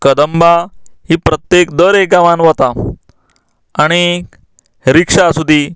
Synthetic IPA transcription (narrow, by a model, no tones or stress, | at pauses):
kəd̪əmbahiːpɾət̪jekd̪əɾek̚ɡãʋãnʋət̪a | aɽ̃i | ɾikʂasud̪ʱi